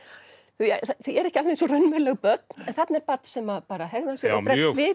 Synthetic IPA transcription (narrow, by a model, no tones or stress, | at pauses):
θuja̰θajɛɾɛhcɪalvɛnsɔrʏnmɛlɛɣpœt̪̚n̥ɛnθat̪nɛɾpat̪n̥sɛmaðpaːɾaɦɛɣðasjɛɔpɾɛsvɪ